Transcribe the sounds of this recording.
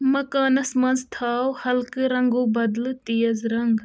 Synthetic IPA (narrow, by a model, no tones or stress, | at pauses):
mɐkaːnɐsmɐnzt̪ʰaːwhɐlkɨɾɐŋɡuːbɐd̪lɨt̪ijɐzɾɐŋɡ